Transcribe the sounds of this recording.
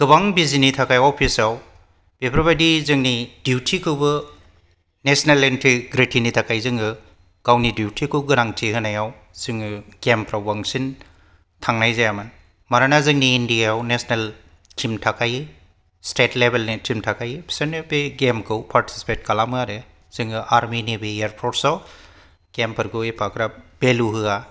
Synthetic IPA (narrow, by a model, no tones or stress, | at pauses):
ɡ̥ɯbaŋbizinitʰakajopʰisaw | b̥epʰɾibadizɯŋnidjuwtʰikʰɯwbɯ | nesnelentʰiɡɾitʰinitʰakʰajzɯŋɡɯ | ɡ̥awnidiwtʰikʰɯwɡɯɾaŋtʰiɦɯnajaw | z̥ɯŋɯɡempɾabaŋsin | tʰaŋnajzajaman | maɾanazɯŋniːndiawnesnel | timtʰakajɯ | sʈetlebelnitimtʰakʰajɯbʰsenebeɡemkʰɯwpʰaɾtʰi̥si̥pet̚kalamɯaɾe | z̥ɯŋɯʔaɾminibeeɾpʰɔʈsɔw | ɡ̥empʰɐɾɡɯejpʰakɾab̥eluɦɯa